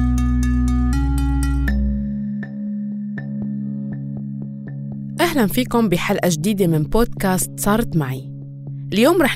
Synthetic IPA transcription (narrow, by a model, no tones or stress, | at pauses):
ʔahlanfiːkʊmbɪħalʔaʒd̪iːd̪emɪnboːd̪kaːst̪sˤɑːɾˤt̪maʕi | ʔɪljoːmɾɑːħ